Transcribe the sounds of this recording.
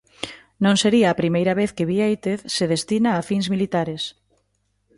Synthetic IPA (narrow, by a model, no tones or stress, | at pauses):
nõŋseɾiɐːpɾimejɾɐβeθkeβiejt̪eθseðest̪inaːfinzmilit̪aɾes